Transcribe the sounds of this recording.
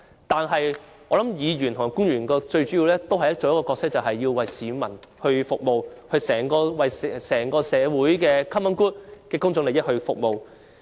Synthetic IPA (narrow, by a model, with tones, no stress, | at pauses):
t̪aː˨nɦɐ˨j | ʔɔː˨˧lɐ˨˦˥mjiː˨˧ɥyː˨˩nt̪ʰʊ˨ŋ˨˩ku˥ŋɥyː˨˩nkɔː˧t͡ʃɵ˧ɥt͡ʃyː˨˥ji˨˧wlɛː˥t̪o˥whɐ˨jɐ˥t̚t͡so˨˧jkɔː˧kɔː˧ksɪ˥k̚t͡sɐ˨˩wɦɐ˨jːiː˧wwɐ˨jsiː˨˧mɐ˨˩nhɵ˧ɥfʊ˨k̚mo˨whɵ˧sɛː˨˩ŋkɔː˧wɐ˨jsɛsɛː˨˩ŋkɔː˧sɛː˨˧wuː˨˥jkɛː˧kʰɐ˥mɐ˨˥nkuː˥t̚kɛː˧kʊ˥ŋt͡sʊ˧ŋle˨jɪ˥t̚hɵ˧ɥfʊ˨k̚mo˨w